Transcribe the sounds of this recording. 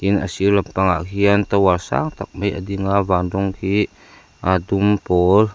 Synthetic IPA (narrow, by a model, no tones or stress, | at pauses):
kinʔa̰silampaŋa̰ʔhiənt̪awasa̰ŋt̪ak̚məjʔa̰d̪iŋavandɔŋhi | ʔad̪umpɔl